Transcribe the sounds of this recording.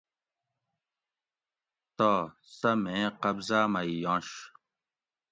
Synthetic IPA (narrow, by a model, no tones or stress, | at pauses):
t̪oː | sɐmẽːqɐbzaːmɐijõːɕ